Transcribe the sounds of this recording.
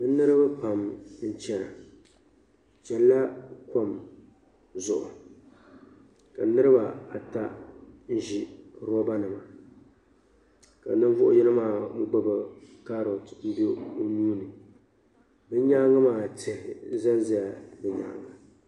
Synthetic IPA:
bɨ˦nɨ˦ɾɨ˦ba˦pa˨mn̩˦t͡ʃɛ˨ɾa˨ | t͡ʃɛ˨lla˦ko˦m | zʊ˨ʔʊ̰˨ | ka˨nɨ˦ɾɨ˦ba˨a˨ta˦n̩˦ʒi˨˦ɾɔ˦ba˦nɨ˨ma˨ | ka̰˨nɨ˦ɱ˦vʊ˦ʔʊ˦jɛ˦nɨ˦maː˦˨˦ɡ͡bɨ˦bɨ˨ka˦ɾo˨tn̩˦be˦o˦nuː˦nɨ˨ | bɨ˦ɲa˦ŋa˦maː˦˨tɪ˨hɪ˨za˦n˦zi˦a˨bɨ˨ɲa̰˨˦˨ŋa˨

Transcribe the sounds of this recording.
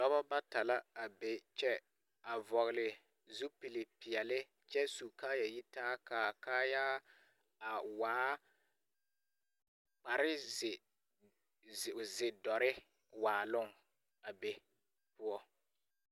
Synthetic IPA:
dɔ˦βɔ˦ba˦ta˨la˦a˨be˨t͡ʃɛ˦ | a˨vɔ˨ɣɪ˨lɪ˨ | zu˦pi˨lɪ˨pɪ˨ɛ˨lɪ˦ | t͡ʃɛ˦su˨kaː˦ja˨jɪ˦taː˦kaː˨kaː˦ja˦ | a˨waː˨˦ | k͡pa˨ɾɪ˦zɪ˨ | zɪ˨dɔ˨ɾɪ˦ | waː˨lʊ˦ŋ | a˨be˨ | pʊ˦ɔ˦

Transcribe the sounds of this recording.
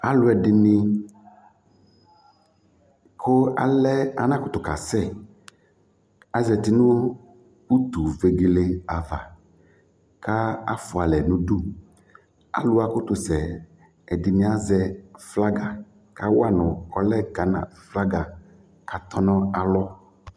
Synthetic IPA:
a˦lʊ˦ɛ˨dɪ˨nĩ˦ | kʰo˦a̰˨lɛ˦a˨nã˦kʊ˦t̪ʊ˨ka˨sɛ˦˨ | a˦zɛ˨t̪i˨˦nʊ̃˦ | pu˦t̪u˨ve˨ɡe˨le˦a˨va̰˨ | ka˦a̰˦fʊ˨a˨lɛ˨nũ˦du˦ | a̰˦lʊ˦a˨kʊ˦t̪ʊ˨sɛ˨ | ɛ˨di˨nĩ˦a˦zɛ˨fla˦ɡa˨ | ka˦wa˦nʊ̃˨ɔ˦lɛ˦ɡa˨˦nã̰˨fla˦ɡa˨ | ka˨t̪ɔ˦nɔ̃˦a˨lɔ˦

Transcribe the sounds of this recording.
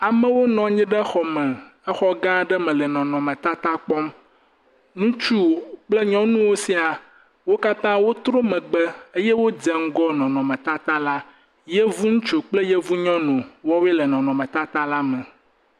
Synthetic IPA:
a˨mɛ̃˦wo˦nɔ̃˨ɲĩ˦ɖɛ˦xɔ˨mɛ̃˨ɛ˦xɔ˦ɡã˦ɖɛ˦mɛ̃˨lɛ˨nɔ̃˨nɔ̃˨mɛ̃˨t̪a˦t̪a˦k͡pɔ˦m | nũ˦t͡ʃu˦˨k͡plɛ˦ɲɔ̃˦nũ˦wo˦si˦a˨ | wo˦ka˦t̪ã˦wo˦t̪ɾo˦mɛ̃˨ɡ͡bɛ˦e˦jɛ˦wo˦d͡ʒɛ˦ŋ̩˦ɡɔ˦nɔ̃˨nɔ̃˨mɛ̃˨t̪a˦t̪a˦la˦ | jɛ˦vu˦ŋũ˦t͡ʃo˨k͡plɛ˦jɛ˦vu˦ɲɔ̃˦nõ˨wɔ˦wɛ˦lɛ˨nɔ̃˨nɔ̃˨mɛ̃˨t̪a˦t̪a˦la˦mɛ̃˨

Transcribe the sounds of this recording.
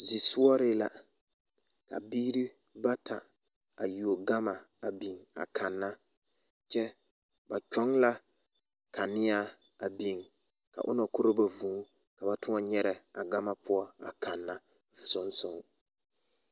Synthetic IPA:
zi˨su˦ɔ˦ɾɪ˦la˦ | ka̰˨biː˦ɾi˦ | ba˦ta˨ | a˨ju˨o˨ɡa˦ma˨ | a˨bi˨ŋa̰˨kʰa˨nːa˦ | t͡ʃɛ˦ | ba˨t͡ʃɔ˦ŋla˦ | ka˨nɪ˦a˦ | a˨bi˨ŋ | ka̰˨ʔʊ˦na˨kʊ˦ɾɪ˦ba˨vũ˨˦ | ka˨ba˦tʊ˦a˦ɲɛ˦ɾɛ˨a˨ɡa˦ma˦pʰʊ˦ɔ˦a̰˨kʰa˨nːa˦˨ | sʊ˦nsʊ˦ŋ˨

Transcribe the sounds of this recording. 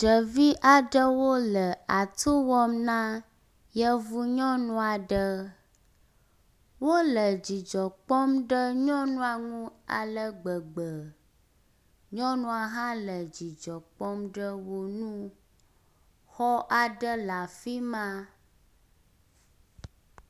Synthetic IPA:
ɖə˨vi˦ʔa˨ɖə˦wo˦lə˨a˨t̪ʰo˦wɔ˦mnã˦ | jə˦vu˦ɲɔ̃˦nũ˦a˨ɖə˦ | wo˦lə˨d͡ʑi˨d͡ʒɔ˨k͡pɔ˦mɖə˦ɲɔ̃˦nũ˦a˨ŋũ˦a̰˨lə˦ɡ͡bə˨ɡ͡bə˨ | ɲɔ̃˦nũ˦a˨ɦã˦lə˨d͡ʑi˨d͡ʒɔ˨k͡pɔ˦mɖə˦wo˦nũ˦ | xɔ˦ʔa˨ɖə˦la˨fi˦mã˦

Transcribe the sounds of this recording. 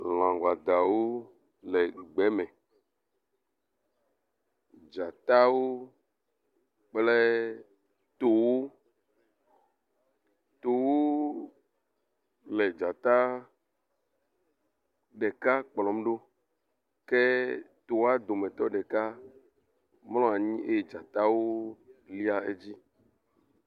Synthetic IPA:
l̃ã˨ŋɡa˨d̪a˨wo˦ | lɛ˨ɡ͡bɛ˨˦mɛ̃˨ | d͡ʒa˨t̪a˦wo˦ | k͡plɛ˦ | t̪o˨wo˦ | t̪o˨wo˦ | le˨d͡ʒa˨t̪a˦ | ɖɛ˨ka˦k͡plɔ˨mɖo˦ | kɛ˦ | t̪o˨wa˦d̪o˨mɛ̃˨t̪ɔ˦ɖɛ˨ka˦ | mlɔ̃˦a˨ɲĩ˦e˦jd͡ʒa˨t̪a˦wo˦li˦a˦e˦d͡ʑi˦

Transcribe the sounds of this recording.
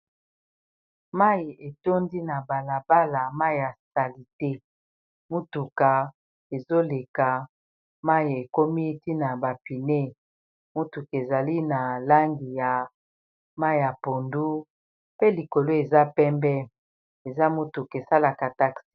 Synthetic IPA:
ma˦i˨e˨to˦ndi˦na˨ba˨la˨ba˦la˨ma˦i˨ja˨sa˨li˨te˦ | mu˦tu˨ka˨ | e˨zo˦le˨ka˨ | ma˦ji˨e˨ko˦mi˦ti˦na˨ba˨pi˨ne˦ | mu˦tu˨ke˨za˨li˦na˨la˦ŋɡi˨ja˨ | ma˦i˨ja˨po˨ndu˦ | pe˦li˨ko˨lo˦e˨za˦pɛ˦mbɛ˦ | e˨za˦mu˦tu˨ke˨sa˦la˨ka˨ta˦ksi̥˦

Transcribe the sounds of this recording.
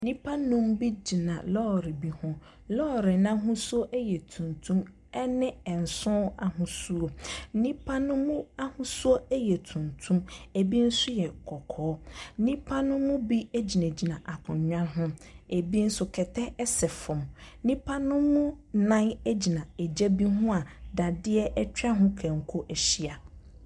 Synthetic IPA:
nĩ˦pʰa˦nũ˦mbi˦d͡ʑi˨nã̰˨lɔː˦˨ɾɪ˨bi˦hɔ̃˦ | lɔ˦˨ɾɪ˨nã˦ɦʊ̃˦su˦o˦ʔɛ˦jɛ˨tʰũ˨ntʰũ˦m | ɛ˦nɪ̃˦ɛ˨n̩˨sʊ̃˦a˨ɦʊ̃˦su˦o˨˦nĩ˦pʰa˦nʊ̃˦mũ˦a˦hʊ̃˦su˦o˦ɛ˦jɛ˨tʰũ˨ntʰũ˦me˨bi˦n̩˦sʊ˦jɛ˨kʰɔ˨kʰɔː˨˦n̩˦nĩ˦pʰa˦nʊ̃˦mʊ̃˦bi˦e˦d͡ʑi˨næ̃˨d͡ʑi˨nã˨ʔa˨kʰʊ̃˨ɲ˨ɲᶣã˦nɦʊ̃˦e˨bi˦n̩˦sʊ˦kʰɛ˨tʰɛ˦ɛ˦sɛ˨fʊ̃˨mnĩ˦pʰa˦nʊ̃˦mʊ̃˦nã˦nɛ˦d͡ʑi˨nã˨ɛ˨d͡ʑɛ˦bi˦ɦʊ̃˦a˨da˨dɪ˦ɛ˦ʔɛ˦t͡ɕᶣa˦ɦʊ̃˦kʰã˨ŋ̩˨kʰo˦ʔɛ˨ɕi˦a˨

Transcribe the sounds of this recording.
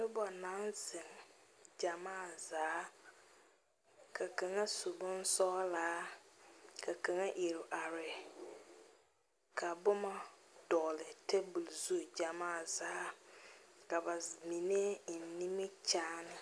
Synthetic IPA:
bʊ˦bɔ˨nã˦nzɪ˨ŋd͡ʒa˨maː˦˨zaː˨˦ | kʰa˨ka˨ŋa˦sʊ˨bʊ˦n˦sɔː˦laː˨˦ | kʰa˨kʰa˨ŋa˦ʔi˨ɾɪ˨ʔa˨ɾɪ˨ | kʰa˨bʊ˦ma˦d̥ɔː˨lɪ˨tʰe˦bu˨lzu˦˨d͡ʒa˨maː˦˨zaː˦ | ka˨ba˨mĩ˨ne˦˨n̩˨nĩ˦mi˦t͡ʃaː˦nɪ˦

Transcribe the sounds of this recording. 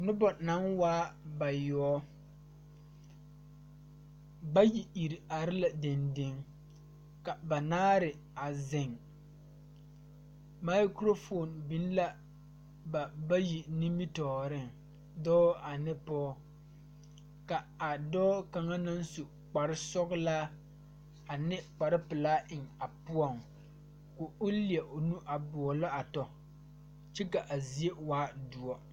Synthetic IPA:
nʊ˦bɔ˨na˨˦ŋwaː˦ba˨jɔː˨˦ | ba˦ji˨i˨ɾi˨a˨ɾɪ˦la˨de˨ndɪ˨˦ŋ | ka˨ba˨naː˦ɾɪ˨ | a˨zɪ˨ŋ | ma˦jkɾo˦fo˨nbi˨n˦la˦ | ba˨ba˦ji˨ni˦mi˦tɔː˨ɾɪ˦ŋ | dɔː˦a˨nɪ˦pɔː˦ | ka˨ | a˨dɔː˦ka˨ŋa˦na˦n˦su˨ | k͡pa˨ɾɪ˦sɔ˦ɣlaː˦ | a˨nɪ˦k͡pa˨ɾɪ˦pɨ˨laː˦ɪ˨ŋa˨pʊ˦ɔ˨ŋ | ko˨ʊ˦li˦˨ɛ˨ʔo˨nu˦ʔa˨bʊ˨ɔ˨lɔ˦a˨tɔ˨ | t͡ʃɛ˦ka˨ʔa˨zi˨˦e˦waː˦du˨ɔ˦

